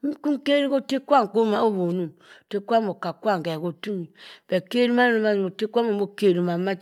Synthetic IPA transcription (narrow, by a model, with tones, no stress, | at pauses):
m̩˦ku˦m˦ke˦ɾi˦ko˦te˦kwa˦˨ŋ˨ko˦ma˦o˦bo˨nu˦˨m˨te˦kʷa˦mo˨ka˨kwa˦ŋ˨kɛ˨ko˨tu˦mi˨b̥e˨ke˦ɾu˦ma˦nu˦ma˦˨mo˨te˦kʷa˦mo˨mo˦ke˨ɾu˨m˨a˨˦ma˦˨